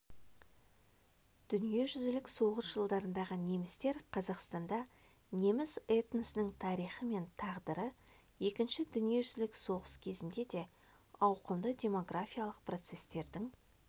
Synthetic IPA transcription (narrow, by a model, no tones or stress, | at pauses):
d̪̥ʏnije̞ʒʏzɪlɪkso̞ʁəsʒəlˠd̪ɑɾənd̪ɑʁəne̞mɪst̪e̞ɾqʰɑzɑqst̪ɑnd̪ɑ | ne̞mɪzet̪nəsɪnɪŋt̪ʰɑɾijχəme̞nt̪ʰɑʁd̪əɾə | je̞kʲɪnʃɪd̪ʏnije̞ʒʏzɪlɪkso̞ʁəskʲʰe̞zɪnd̪e̞d̪e̞ | ɑwqəmd̪ədʲe̞mo̞ɡrafijalˠəq̚pʰro̞t̪se̞st̪e̞ɾd̪ɪŋ